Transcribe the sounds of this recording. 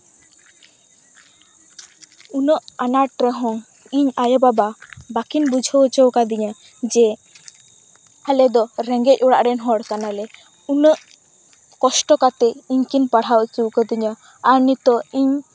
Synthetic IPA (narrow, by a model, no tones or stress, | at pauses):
unəʔanaʈɾəɦɔŋ | iɲajɔbababakinbud͡ʒʱəwt͡ʃəwkad̪iɲa | d͡ʒɛ | alɛd̪ɔɾɛŋɡɛc̚ɔɽaʔɾɛnɦɔɽkanalɛ | unəʔ | kɔsʈɔkat̪ɛiɲkinpaɽ̤awt͡ʃuwkəd̪iɲə | anit̪ɔiɲ